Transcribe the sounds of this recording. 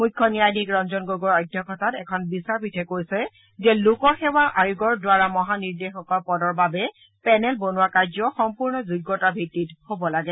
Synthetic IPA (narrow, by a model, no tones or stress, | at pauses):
mujkʰːɔnijajnikɹɔnzɔnɡoɡɔɹɔjdʱjɔkʰɔtatɛkʰɔnbisaɹbitʰɛkoɹjsɛ | zɛlukɔxɛwaʔajuɡɔɹdwaɹamɔɦaniɹdexɔkɔpɔdɔɹbabɛ | pɛnɛlbonʊwakaɹzɔxɔmpuɹnɔzuɡːɔtabʱitːithobɔlaɡɛ